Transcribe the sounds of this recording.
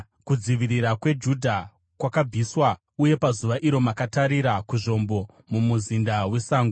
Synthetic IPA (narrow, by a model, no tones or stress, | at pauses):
kud͡ziʋiriɾakwe̞d͡ʒudʱa | kwakab͡vʱiswa | uje̞pazuʋaʔiɾo̞makataɾiɾakuʐo̞mbo̞ | mumuzindawe̞saːŋɡu